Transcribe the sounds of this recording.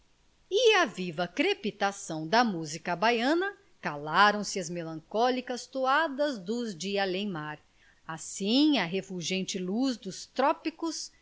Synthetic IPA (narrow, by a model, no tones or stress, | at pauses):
ɪɐvivɐkɾepit̪asɐ̃w̃d̪ɐmuzikɐbajɐ̃nɐ | kalaɾɐ̃w̃sɪɐzmelɐ̃ŋkɔlikɐst̪oad̪ɐzd̪ʊzd͡ʒialẽj̃maɾ | asĩɐɦefuʒẽnt͡ʃɪluzd̪ʊst̪ɾɔpikʊs